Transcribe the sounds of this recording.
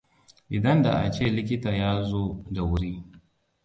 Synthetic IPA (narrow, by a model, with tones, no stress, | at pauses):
ʔɪ˨dɐ˦nda̰˨ʔa̰˨t͡ʃeː˦˨lɪ˦k̬ʲɪ˦taː˨jaː˦zoː˦da˨wʊ˦ɾiː˦